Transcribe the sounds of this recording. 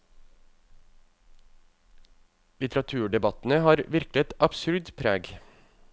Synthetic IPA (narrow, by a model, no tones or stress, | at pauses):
lɪt̪ɾɑt̪ʰʉːɖɛbɑt̪n̩əhɑːɾʋɪɾkləɛt̪ɑbsʉɾdpʰɾæːɡ